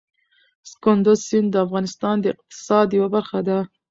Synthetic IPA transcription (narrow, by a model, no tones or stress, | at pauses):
skʊnd̪ʊzsɪnd̪əafɣɑnɪst̪ɑnd̪əɪq̚t̪ɪ̥sɑd̪jawabaɾxad̪a